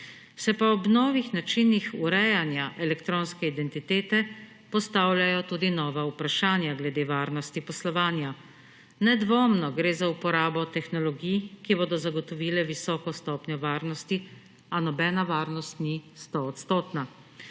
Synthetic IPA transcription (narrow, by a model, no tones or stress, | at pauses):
sɛpaɔbnɔːʋixnat͡ʃinixuɾɛjanjaʔɛlɛkt̪ɾoːnskɛid̪ɛnt̪it̪eːt̪ɛ | pɔst̪aːwljajɔt̪uːd̪inɔːʋaupɾaʃaːnjaɡlɛd̪eːʋaːɾnɔst̪ipɔslɔʋaːnja | nɛd̪ʋoːmnɔɡɾeːzaupɔɾaːbɔt̪ɛxnɔlɔɡijkiboːd̪ɔzaɡɔt̪ɔʋiːlɛʋisɔːkɔst̪ɔːpnɔʋaːɾnɔst̪i | anɔbɛːnaʋaːɾnɔst̪nist̪ɔːt̪st̪oːt̪na